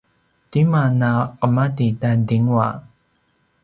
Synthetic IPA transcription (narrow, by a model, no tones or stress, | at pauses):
timanaqəmadidandiŋwa̰